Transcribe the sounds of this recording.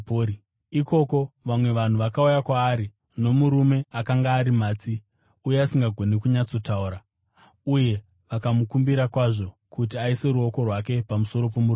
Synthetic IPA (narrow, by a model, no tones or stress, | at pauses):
o | iko̞ko̞ʋamwe̞ʋan̤uʋakaujakwaːɾi | no̞muɾume̞akaŋɡaːɾimaːt͡si | uje̞asiŋɡaɡʱo̞nekuɲat͡so̞tauɾa | uje̞ | ʋakamukumbiɾakwaʐo̞kut̬iaise̞ɾuo̞ko̞rwake̞pamuso̞ɾo̞p̬omur